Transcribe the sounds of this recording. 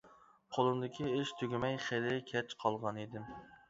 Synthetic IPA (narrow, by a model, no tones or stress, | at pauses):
qʰolˠɨmd̪ɪkʲʰiɪʃt̪ʰøɡʲimɛjχelɪkʲʰɛt͡ʃqʰɑlˠʁɑnid̪ɪm